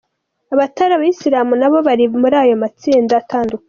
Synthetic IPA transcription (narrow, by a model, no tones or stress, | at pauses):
aβataɾaβaisiɾaːmunaβo̞βaɾimuɾaːjo̞mat͡siːndaːtaːnduka